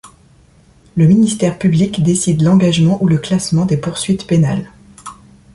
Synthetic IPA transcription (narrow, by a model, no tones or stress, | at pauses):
ləminist̪ɛʁpyblikd̪esid̪lɑ̃ɡaʒmɑ̃ʔuləklasmɑ̃d̪epuʁsɥit̪penal